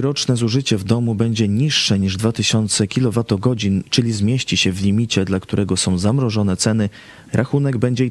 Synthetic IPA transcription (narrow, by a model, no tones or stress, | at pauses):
ɾɔt͡ʂnɛzuʐɘt͡ɕɛvd̪ɔmubɛɲd͡ʑɛɲiʂːɛɲiʐd̪vat̪ɘɕɔnt̪sɛkʲilɔvat̪ɔɡɔd͡ʑint͡ʂɘlʲizmʲjeɕt͡ɕiɕɛvlʲimʲit͡ɕɛd̪lakt̪uɾʔɛɡɔsɔ̃w̃zamɾɔʐɔnɛt̪sɛnɘ | ɾʔaxunɛɡ̚bɛɲd͡ʑɛ